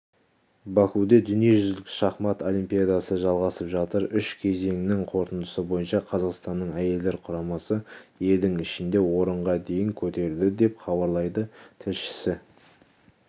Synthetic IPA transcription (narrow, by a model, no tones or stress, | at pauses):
bɑkud̪e̞d̪ʏnije̞ʒʏzɪlkʲɪ̥ʃɑχmɑt̪o̞lʲˠijmpijad̪ɑsəʒɑlˠʁɑsəpʒɑt̪əɾʏʃkʲʰe̞ze̞ŋɪnɪŋqʰo̞ɾt̪ənd̪əsəbo̞jənʃɑqʰɑzɑqst̪ɑnːəɴæje̞ld̪e̞ɾqʰʊɾɑmɑsəje̞ld̪ɪŋɪʃɪnd̪e̞wo̞ɾəɴʁɑd̪e̞jɪŋkʲʰɵt̪e̞ɾɪld̪ɪd̪e̞pχɑbɑɾlˠɑjd̪ət̪ʰɪlʃɪ̥sɪ